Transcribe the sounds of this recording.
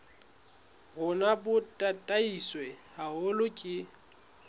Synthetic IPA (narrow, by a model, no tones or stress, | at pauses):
ɣʊnabʊtʼatʼaiswɛhaʊlʊkʼɪ